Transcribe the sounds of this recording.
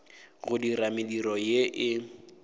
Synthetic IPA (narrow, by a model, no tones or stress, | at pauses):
ɣʊdiɾamɪdiɾɔjeʔɪ